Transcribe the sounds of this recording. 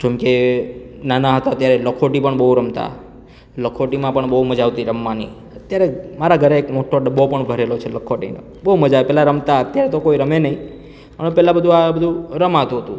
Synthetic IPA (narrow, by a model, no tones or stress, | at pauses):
d͡ʒɛmke | nanaɦət̪oət̪jaɾeləkʰoʈipəɳbəɦuɾəmt̪a̰ | ləkʰoʈimãpəɳbəɦuməd͡ʒaʋt̪iɾəmːanḭ | ət̪jaɾemaɾaɡʱəɾeːkmoʈʰːoɖəbopəɳbʱəɾelot͡ʃʰeləkʰːoʈḭnḛ | bəɦuməd͡ʒaʋepɛɦlaɾəmt̪aət̪jaɾet̪okoiɾəmenəɦĩ | pəɳpɛlabəd̪ʱũabəd̪ʱũɾəmat̪ũɦət̪ṵ̃